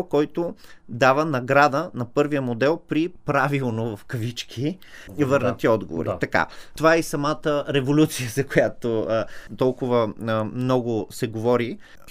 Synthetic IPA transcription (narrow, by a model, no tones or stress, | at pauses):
kɔjt̪od̪avənɐɡɾad̪ənɐpɤɾvijəmod̪ɛlˠpɾipɾavilˠnovɐfkɐvit͡ʃkʲʰi | vɤɾnət̪iɔd̪ɡo̰vo̰ɾ̰t̪ɐka̰t̪ovaɛisɐmat̪əɾɛvolʲut̪sijəzɐkojat̪ot̪ɔlˠkʊvəmnɔɡʊsɛɡovɔɾi